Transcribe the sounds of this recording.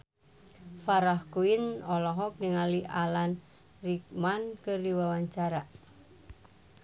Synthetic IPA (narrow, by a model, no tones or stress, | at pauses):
faɾahkuinɔlɔɦɔk̚niŋaliʔalan | rik̚mankəriwawaɲt͡ʃaɾa